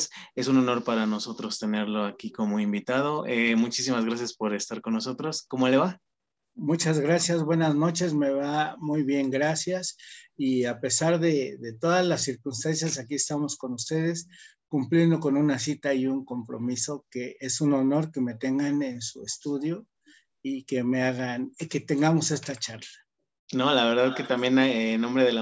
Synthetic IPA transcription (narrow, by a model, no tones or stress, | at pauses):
se̞suno̞no̞ɾpaɾano̞so̞t̪ɾo̞st̪e̞ne̞ɾlo̞akiko̞mo̞imbit̪að̞o̞ʔemut͡ʃisimazɣɾasjaspo̞ɾe̞st̪aɾko̞nːoso̞t̪ɾo̞sko̞mo̞le̞βa | mut͡ʃazɣɾasjazβwe̞nazno̞t͡ʃe̞zme̞βamujβje̞ŋɡɾasjasiape̞saɾðe̞ðe̞t̪o̞ðazlasːiɾkunst̪ansjasakiest̪amo̞sko̞nust̪e̞ð̞e̞s | kumpljend̪o̞ko̞nunasit̪aiuŋko̞mpɾo̞̰miso̞ke̞e̞suno̞no̞ɾke̞me̞t̪e̞ŋɡane̞nsuḛst̪uðjo̞ | ike̞meaɣanke̞t̪e̞ŋɡamo̞se̞st̪at͡ʃaɾla | nolaβeɾðasket̪ambjenaenõmbɾeðela